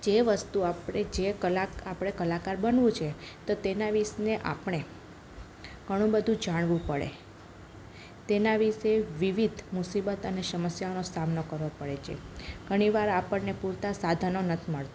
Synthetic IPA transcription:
d͡ʒeʋəst̪uapɽed͡ʒekəlaapɽ̃ekəlakaɾbənʋũt͡ʃʰet̪ot̪enaʋisneʔa̰pɳ̃e | ɡ̥ʱəɽ̃ũbəd̪ʱũd͡ʒaɽ̃ʋũpəɭḛ | t̪enaʋiseʋiʋid̪ʱmusibət̪əneʃəməsjaonosamnokəɾʋopəɭet͡ʃʰiḛɡ̥ʱəɽ̃iʋaɾapəɳnepuɾt̪asad̪ʱanonət̪ʰiməɭt̪a

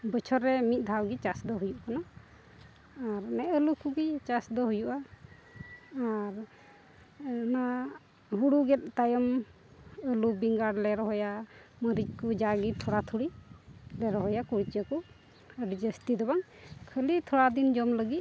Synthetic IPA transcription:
bət͡ʃʰɔɾɛmit̪̚ˀd̪ʱawɡit͡ʃasd̪ɔɦujuʔkana | ɾnɛʔəlukuɡit͡ʃasd̪ɔɦujuʔa | ɾ | na | ɦuɽuɡɛt̪̚t̪ajɔm | əlubiŋɡaɽlɛɾɔɦɔjaməɾit͡ʃ̚kud͡ʒaɡit̪ʰɔɽat̪ʰuɽilɛɾɔɦɔjakuɽit͡ʃəku | əɖid͡ʒəst̪id̪ɔbaŋ | kʰəlit̪ʰɔɽad̪ind͡ʒɔmləɡit̪̚

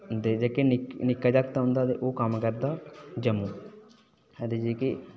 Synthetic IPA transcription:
d̪eːd͡ʒeːkenɪknɪkːaːd͡ʒakt̪aɦʊ̃nd̪aːd̪eʔoːkəmkəɾd̪aːd͡ʒəmuː | ɛd̪eːd͡ʒeːke

